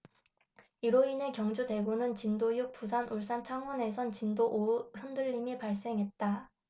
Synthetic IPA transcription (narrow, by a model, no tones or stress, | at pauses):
iɾoine̞kjʌŋd͡ʑude̞ɡonɯnt͡ɕindojuk̚p͈usʰanʔuɭs͈ant͡ɕʰaŋɦʌne̞sʰʌnt͡ɕindoʔohɯndɯʎːimipaɭs͈e̞ŋɦe̞t̚t͈a